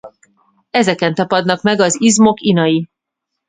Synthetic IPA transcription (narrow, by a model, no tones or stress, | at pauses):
ɛzɛkɛnt̪ɒpɒd̪nɒkmɛɡɒzizmo̞kinɒji